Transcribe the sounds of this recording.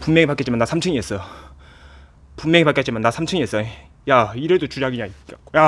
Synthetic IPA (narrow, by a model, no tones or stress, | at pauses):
pumːjeŋipak͈et͡ɕimanːasʰamt͡ɕʰɯŋies͈ʌ | pumːeŋipak͈ett͡ɕimanːasʰamt͡ɕʰɯŋies͈ʌ | jaiɾeɭdot͡ɕud͡ʑaɡiɲaik͈akoja